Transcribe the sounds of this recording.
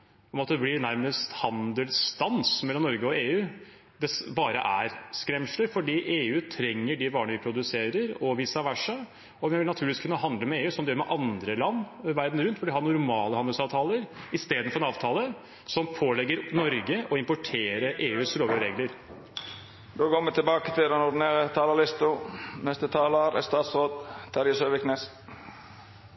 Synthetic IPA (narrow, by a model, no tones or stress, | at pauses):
ɔmɑt̪̚d̪ɛblɪɾnæɾməst̪hɑnd̪əlst̪ɑnsmɛlːɔmnɔɾɡəɔeːʉː | d̪ɛsbɑːɾə̰ʔæɾskɾɛmʂləfɔɖiːʔeːʉːt̪ʰɾɛŋːəɖɪʋɑːɳəʋɪpʰɾʊd̪ʉseːɾəɾɔʋiːsɑʋæʂə | ɔʋɪʋɪlnɑt̪ʰʉːlɪɪskʰʉnːəɦɑnd̪ləmɛeːʉːsɔmd̪ɛjøːɾmɛʔɑnd̪ɾəlɑnːʋæɾd̪n̩ɾʉnt̪ʋɛlʋɪhɑɾnʊɾmɑːləhɑnd̪əsɑːʋt̪ʰɑːləɾɪst̪eːd̪ənfɔɾɛnɑːʋt̪ʰɑːlə | sɔmpʰoːlɛɡːəɾnɔɾɡəʔɔɪmpʊʈʰeːɾəʔeːʉːsɾoːʋəɾeːɡləɾ | d̪oːɡoːʋət̪ʰɪlbɑːkət̪ʰɪld̪ɛnɔɾɖ̪ɪneːɾət̪ʰɑːləlɪst̪ʊnɛst̪ət̪ʰɑːləɾɛ̰st̪ɑːt̪sɾoːd̪t̪ʰɑːɾɪsøːʋɪknes